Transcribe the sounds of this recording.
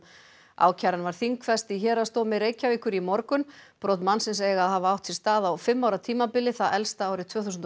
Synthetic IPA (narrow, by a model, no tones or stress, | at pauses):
a̰ːwcʰaɾanvaɾ̥θiŋkfɛst̪içɛːɾast̪oːwmɪɾeːjcaviːkʏɾimɔɾkʏnpɾʔoːwt̪mansɪns̬eːjɣaðɦaːvaawht̪sɪlst̪aːðawfɪmːawɾat̪ʰiːmapɪlːɪθaðɛlst̪aaːwɾɪt̪ʰvœːθusʏnt̪